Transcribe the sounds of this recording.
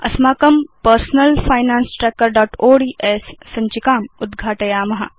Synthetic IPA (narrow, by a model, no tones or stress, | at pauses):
ɐ̰smaːkɐmpɐɾsnɐlfʰaːjnaːnsʈɾeːkəɾɖaːʈoːɖiːʔeːsːɐ̃ɲt͡ʃikaːmʊd̪ɡʱaːʈɐjaːmɐɦɐ̰